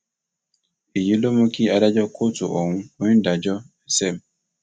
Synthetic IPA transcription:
i˨ji˦lo˦mo˦ki˦a˨da˦d͡ʒɔ˦kʰo˦tu˨ʔɔ˨wũ˦o˦ĩ˦nda˨d͡ʒɔ˦ | ɛ˨sɛ˦˨m

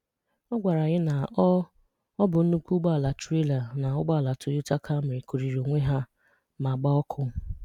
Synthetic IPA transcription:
ɔ˦ɡʷa˨ɾa˨ɣɪ˦na˨˦ | ɔ˦bʊ˨n̩˦nu˦kʷu˦ɡ͡ba˦˨la˨t͡ʃi˦la˨na˨ʊ˦ɡ͡ba˦˨la˨tʰʊ˨jʊ˦ta˦kʰa˦mɪ˨ɾi˨ku˨ɾi˨ɾo˨ŋʷe˦ɦa˦ | ma˨ɡ͡ba˦ɔ˦kʰʊ˦

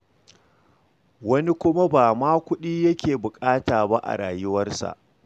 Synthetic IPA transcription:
wɐ˦ni˦kʷʊ˦ma˦baː˨maː˦kʷʊ˦ɗiː˦jɐ˦kʲeː˨bʊ˨kʼaː˦taː˨ba˦ʔa̰˨ɽaː˨jʊ˦wɐ˦rsa̰˨ʔ

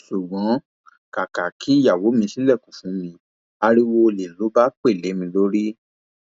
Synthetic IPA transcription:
ʃu˨ɡ͡bɔ̃˨˦ | ka˨ka˨kʰi˨˦i˦˨ja˨wo˨˦mĩ˧si˦lɛ˦˨ku˨fũ˨˦mĩ˧ | a˧ɾi˦wo˧le˨˦lo˨˦ba˦k͡pe˦˨le˨˦mĩ˧lo˦ɾi˦

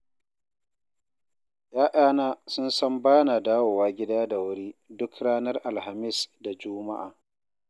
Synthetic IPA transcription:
jaː˦ʔaː˦naː˦sʊ˦nsɐ˦mbaː˦na˨daː˦woː˨waː˦ɡʲɪ˦daː˦da˨wʊ˦ɽiː˦dʊ˦kɽaː˦nɐ˦rʔa˨lha˨mɪ˦sda˨d͡ʒʊ˦ma˦ʔa̰ː˨

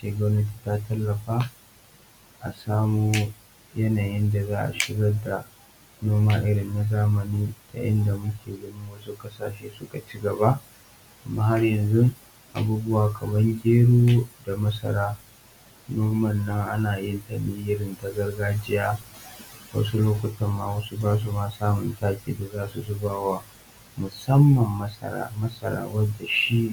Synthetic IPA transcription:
ʃeː˨ɡʷɐ˦nɐ˦t̬i̥ː˨ta˦tɐ˦lːɐ˨ɸaː˦ | ʔa̰˨saː˦muː˦ | jɐ˦naː˨jɪ˦nda˨zaː˦ʔa̰˨ʃɪ˦ɡɐ˦da˨ | noː˦maː˦ʔɪ˦ɽɪ˨nːa˨zaː˦mɐ˨niː˦tʰa̰˨ʔɪ˦nda˨mʊ˦kʲʰeː˨ɡɐ˨ni˦wɐ˦su˦kʼɐ˦sa̰ː˨ʃeː˦sʊ˦ka˨t͡ʃi˦ɡɐ˨ba˦ | ʔa˨mːaː˦ɦa˦rjɐ˨nzʊ˦ŋ | ʔa̰˨buː˦bʊ˦waː˨kʰɐ˨mɐ˦ŋɡʲeː˦ɽoː˦da˨mɐ˦sɐ̰˨ɾaː˦ | noː˦mɐ˨nːɐ˦ŋʔa̰˦naː˨jɪ˦nta˨mi˦jɪ˦ɾɪ˦˨nta˨ɡɐ˦rɡaː˦d͡ʒɪ˦jaː˦ | wɐ̰˦s̬u˦loː˦kʷɐ˦tɐ˨mːa̰ː˨wɐ˦su˦baː˦s̬u˨maː˦saː˦mʊ˨ntaː˦kʲʼḭː˨da˨zaː˦su˨zʊ˦baː˨wa˦ | mʊ˨sɐ˦mːɐ˨mːɐ˦sɐ̰˨ɾa̰ː˦˨mɐ˦sɐ̰˨ɾa̰ː˦wɐ˦dːa˨ʃi˦

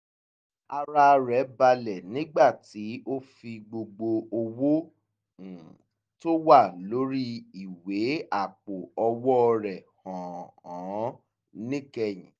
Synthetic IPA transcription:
a˧ɾa˧ɾɛ˨˦ba˧lɛ˨nĩ˦ɡ͡ba˦˨ti˨˦o˦fi˧ɡ͡bo˧ɡ͡bo˧o˧wo˦˨ | to˦wa˦˨lo˨˦ɾi˦i˦˨we˨˦a˦˨k͡po˨ɔ˧wɔ˦ɔ˧ɾɛ˨hɔ̃˨ɔ̃˨˦ | nĩ˦kɛ˧j̃ĩ˨˦

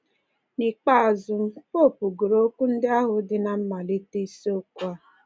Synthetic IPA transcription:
ni˨k͡pa˦a˨zʊ˦m̩˦po˦˨pu˨ɡu˨ɾo˦kʷu˦n̩˦dɪ˦a˦ɦʊ˨dɪ˨na˨m̩˦ma˨le˦te˦i˦so˦kʷa˦

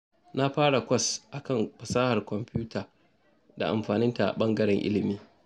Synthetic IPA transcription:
na˦ɸaː˦ɽa˨kʷɐ˦sʔa˨kɐ˦˨ŋɸɐ˨saː˦ha˨rkʷɔ˨mpɪ˦uː˦tʰaː˨ | da̰˨ʔa̰˨mɸaː˨nɪ˦nta˨ʔa̰˨ɓɐ˦ŋɡɐ˦ɽɛ˨ŋʔɪ̰˦lɪ˨miː˦

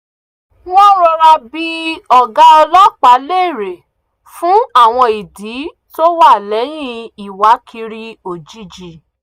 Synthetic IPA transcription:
wɔ̃˦ɾɔ˧ɾa˧bi˧ɔ˨ɡa˧˦ɔ˧lɔ˦˨k͡pa˨˦le˦i˦˨ɾe˨ | fũ˨˦a˦˨w̃ɔ̃˧i˨di˨˦ | to˦wa˦˨lɛ˨˦j̃ĩ˦˧i˨wa˨˦kʰi˧ɾi˦o˨d͡ʒi˨˦d͡ʒi˧˨

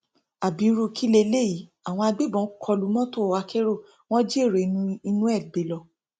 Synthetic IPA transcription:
a˨bĩ˨˦ɾo˧kʰi˦le˧le˦˨i˨˦ | a˨w̃ɔ̃˧a˧ɡ͡be˦bɔ̃˨˦kʰɔ˧lu˨˦mɔ̃˦to˦˨wa˧˦kʰe˦ɾo˦˨ | w̃ɔ̃˦d͡ʒi˦e˦˨ɾe˨˦nũ˧i˧nũ˦ɛ˦˨ɡ͡be˨˦lɔ˧

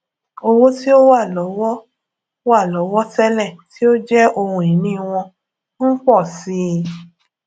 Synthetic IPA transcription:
o˧wo˦ti˦o˦wa˦˨lɔ˨˦wɔ˦ | wa˦˨lɔ˨˦wɔ˦tɛ˦lɛ˦˨ti˦o˦d͡ʒɛ˦ʔo˧hũ˨ĩ˨nĩ˦˧w̃ɔ̃˧ | n̩˦k͡pɔ˦˨si˨˦

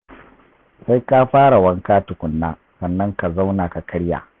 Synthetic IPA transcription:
sa˦jka˦ɸaː˦ɽa˨wɐ˦ŋkaː˦tʊ˨kʷʊ˨nːaː˦ | sɐ˨nːɐ˦ŋka˨za˦wna˨ka˨kɐ˦ɽja̰ː˨

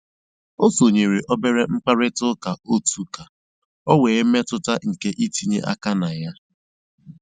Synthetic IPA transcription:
o˦so˨ɲe˨ɾe˨ʔɔ˦be˦ɾe˦ŋ͡m̩˦k͡pa˦ɾɪ˦tʊ˦ka˨o˦tu˨ka˨ | ɔ˦weː˨˦me˦tʊ˦ta˦ŋ̩˨ke˦ʔi˦ti˨ɲe˦ʔa̰˦ka˦na˨ja˦

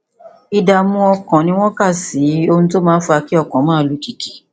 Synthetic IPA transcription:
i˧da˧˨mũ˧ɔ˧kɔ̃˨nĩ˧˦w̃ɔ̃˦ka˦˨si˨˦o˧hũ˧to˦mãː˦n̩˦fa˧ki˦ɔ˦˧˨kɔ̃˨˦mãː˦˨lu˨˦ki˨ki˨

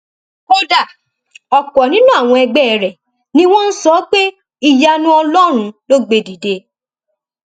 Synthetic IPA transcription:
o˦da˨ | ɔ˨kɔ˨nĩ˨˦nũ˦a˨w̃ɔ̃˧ɛ˧ɡ͡bɛ˦˨ɾɛ˨ | nĩ˦w̃ɔ̃˦n̩˦sɔ˨˦k͡pe˦ | i˧ja˧nũ˦ɔ˧lɔ˦ɾ̃ũ˧˦lo˦ɡ͡be˧di˨de˧˦

